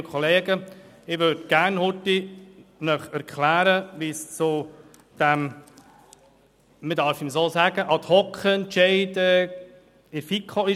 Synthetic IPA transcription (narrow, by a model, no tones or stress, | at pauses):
əkʰχɔleːɡə | ɪʋøɾdɡ̥æɾnhʊtːinœχæɾkʰlæːɾəʋist͡su | d̥ɛm | mədɑɾfɪmsoːsæɡəʔɑt̪hɔkχəɛntʃɛɪdə | ɪɾfikχoɪ